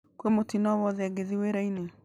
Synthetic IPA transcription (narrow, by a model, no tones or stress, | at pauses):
kwemotinɔβɔðɛɡeðiweɾaine